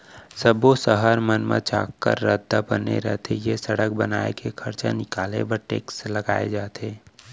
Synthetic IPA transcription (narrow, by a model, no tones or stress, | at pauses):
səbosəɦəɾmənmã̰t͡ʃa̰ːkːə̰ɾːəd̪ʱabənḛɾɛɦt̪ʰejesəɽək̚bənaːekekʰəɾt͡ʃanɪkaːlebəɾʈeːksləɡaːed͡ʒaːt̪eː